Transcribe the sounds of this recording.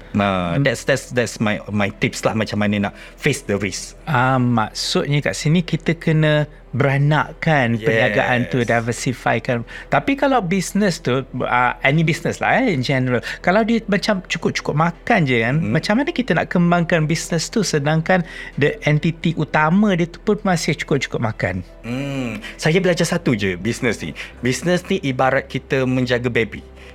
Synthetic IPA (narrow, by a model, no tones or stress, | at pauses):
adɛtsdɛtsdɛtsmajmajt̪ip̚slahmat͡ʃamːanəna̰ʔ | fesdəɾis | amːa̰k̚sʊt̪̚ɲəka̰ʔsinikit̪əkənə̃ | bəɾana̰ʔkanəɲaɡa̰ʔant̪udajvəsifa̰jkant̪apikalawbisnəst̪uə̰ɛnibisnəsla̰haind͡ʒɛnəɾəlkalawdiəmat͡ʃamt͡ʃu̥kʊp̚t͡ʃu̥kʊp̚makand͡ʒəkanmãt͡ʃamanəkit̪əna̰ʔkəmbaŋkanbisnəst̪usədaŋkandəʔɛnt̪it̪iʔut̪amə̃diət̪u̥pʊnmasɪht͡ʃu̥kʊp̚t͡ʃu̥kʊp̚maka̰n̩ | sajabəlad͡ʒasat̪ud͡ʒəbisnəsnḭbisnə̃sniʔibaɾat̪̚kit̪əmə̃ɲd͡ʒaɡabebḭ